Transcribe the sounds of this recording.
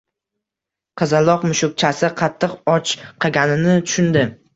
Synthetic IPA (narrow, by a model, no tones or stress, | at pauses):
qʰɨzalˠɒqmʊʃʊk̚t͡ʃʰasɪqʰɑt̪ʰːɨqɒt͡ʃqʰɨɡʲanɪnɪt̪ʰʊ̥ʃʊnd̪ɪ